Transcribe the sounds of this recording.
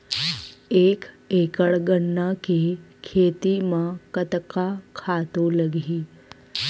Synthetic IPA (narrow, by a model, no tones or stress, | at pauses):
ek | ekəɭɡəɳːakekʰet̪imãkət̪kakʰat̪oləɡʱi